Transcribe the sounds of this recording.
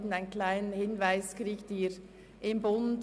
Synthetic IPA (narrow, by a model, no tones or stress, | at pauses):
dn̩aɪnkʰlaɪnənhɪnvaɪskɾiːɡtiːɾ | ʔɪmbʊn